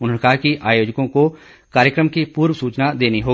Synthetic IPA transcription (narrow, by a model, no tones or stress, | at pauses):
ʊnkakiʔaːjoːd͡ʒkõko | kaːɾjəkɾəmkipuːɾʋəsuːt͡ʃnad̪eːniɦoː